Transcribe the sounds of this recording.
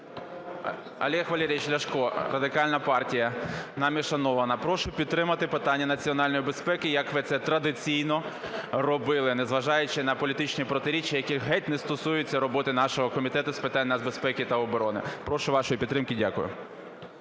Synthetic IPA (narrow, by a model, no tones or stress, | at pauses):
ɐ̰lʲiɛxʋɐlʲiɾʲijiʃlʲɐʃkɔrɐd̪ɪkɑlʲnɐpɑrtʲijɐnɐmʲiʃɐnɔʋɐnɐpɾɔʃʊpʲid̪t̪ːɾɪmɐt̪ɪpɪt̪ɑnʲːɐnɐt͡sʲiɔnɑlʲnɔjibespɛkɪjɐkʋɪt̪sɛt̪ɾɐd̪ɪt͡sʲijnɔrɔbɪlˠɪnɛzʋɐʒɑjʊt͡ʃɪnɐpɔlʲit̪ɪt͡ʃnʲipɾɔt̪ɪɾʲit͡ʃːijɐkʲiɦɛt̪ʲnɛst̪ɔsujʊt͡sʲːɐɾɔbɔt̪ɪnɑʃɔɦɔkɔmʲit̪ɛt̪ʊspɪt̪ɑnʲnɐzbespɛkʲɪt̪ɐɔbɔɾɔnɪ̰pɾɔʃʊʋɑʃɔjipʲid̪ɾɪmkɪdʲa̰kʊjʊ̰